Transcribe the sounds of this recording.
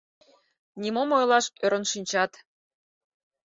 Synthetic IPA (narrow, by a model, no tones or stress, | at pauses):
nʲimomojlˠɑʃøɾə̆nʃinʲt͡ɕɑt̪